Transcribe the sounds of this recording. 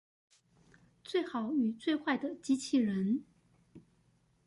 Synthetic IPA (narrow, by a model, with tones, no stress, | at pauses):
t͡swe˥˩ɪxɑ˨˩ʊy˨˩t͡swe˥˧ɪxwa˥˩ɪd̪ə˩t͡ɕi˧˥t͡ɕʰi˨˩ɻə˧˥n